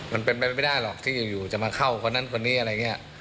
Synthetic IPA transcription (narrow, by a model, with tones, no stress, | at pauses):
ma˧npe˧npa˧jma˥˩jdaː˥˩jlɔː˨˩k̚t̪ʰiː˥˩juː˨˩juː˨˩t͡ɕa˨˩maː˧kʰa˥˩wkʰo˧nːa˥˩˨nkʰo˧nːiː˦˥ʔa˧ɾjːŋː˧i˦˥ɐ˧˩ʔ